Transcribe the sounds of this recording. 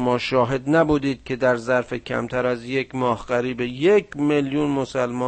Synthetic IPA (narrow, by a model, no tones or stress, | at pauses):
mɒːʃɒːɦe̞d̪næbuːd̪iːd̪̥̚kʲʰe̞d̪æɾzæɾfe̞cʲʰæ̰mt̪ʰæɾæzje̞kʰmɒːhɢæɾiːbejekʰmeljunmosælmɒː